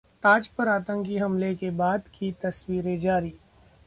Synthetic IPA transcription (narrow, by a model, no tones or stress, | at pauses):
t̪aːd͡ʒpɐɾaːt̪ə̃ŋkiɦɐmlekebaːd̪kʰit̪ɐswiːɾẽd͡ʒaːɾiː